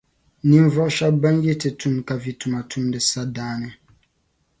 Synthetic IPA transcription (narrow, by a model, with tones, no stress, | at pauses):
nĩ˦ɱ˦vɔ˦ʔʃa˦ba˦nje˦te˨tʰu˦mka˨vi˨tu˨ma˨tʰu˦mdɨ˨sa˦daː˦nɨ˦